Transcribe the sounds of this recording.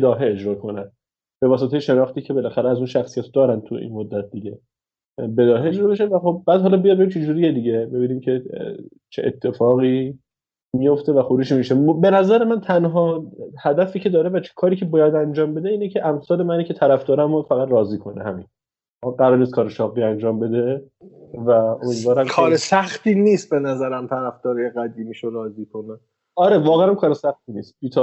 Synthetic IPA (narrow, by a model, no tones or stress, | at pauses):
bed̪ɒːɦeed͡ʒɾɒːkʰo̞næn | b̥e̞vɒːs̬et̪ejeʃe̞nɒːχt̪iːcʰe̞be̞læxæɾeæzunʃæxsijæt̪ʰod̪ɒːɾænt̪ʰuʔḭnmod̪ːæt̪̚d̪iɟe̞ | be̞d̪ɒːɦeed͡ʒɾɒːbeʃ̬evæχob̚bæːd̪ɦɒːlɒbijɒd̪̚beimt͡ʃʰed͡ʒuːɾijed̪iɟe̞be̞biːnimcʰe̞ | t͡ʃʰḛʔḛt̪ʰːe̞fɒːɣiː | mijo̞ft̪ʰe̞væxoɾuːd͡ʒmiʃembe̞næzæɾe̞mænt̪ʰænɦɒːhæd̪æfiːcʰe̞d̪ɒːɾevæt͡ʃʰe̥kʰɒːɾiːcʰebɒːjæd̪ænd͡ʒɒːmbe̞d̪eiːnecʰe̞ʔæmsɒːle̞mæniːcʰe̞t̪ʰæɾæfd̪ɒːɾæmofæɣæd̪rɒːziːkʰo̞nḛhæmḭn | ɢæɾɒːɾnist̪kʰɒːɾeʃɒːɣiːænd͡ʒɒːmbe̞d̪e̞ | væo̞miːd̪vɒːɾæmkʰɒːɾesæxt̪iːniːst̪̚be̞næzæɾæmt̪ʰæɾæfd̪̥ɒːɾɒjeɣæd̪iːmiːʃoɾɒːziːkʰone | ɒɾe̞vɒːɣeæmkʰɒːɾesæxt̪iːniːst̪̚biːt̪ʰɒ